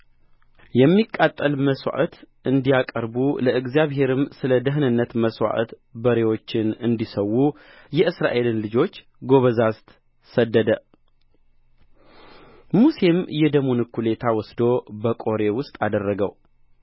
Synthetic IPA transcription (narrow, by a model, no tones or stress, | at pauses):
jɛmːikʼːat̪ʼːəlməswa̰ʔət̪ | ɨnd̪ijakʼəɾbuləʔɨɡzijaβɦe̞ɾɨmsɨləd̪əɦnɨnːət̪məswa̰ʔə̰t̪ | bəɾe̞wo̞t͡ʃːɪnɨnd̪isəwːu | jɛɨsɾa̰ʔe̞lɨnlɨd͡ʒo̞t͡ʃː | ɡo̞βəzast̪ | səd̪ːəd̪ə | muse̞mjɛd̪əmunɨkʰːule̞t̪ʰawɔsd̪o̞bəkʼo̞ɾe̞wʊst̪ʼad̪ərːəɡə̰w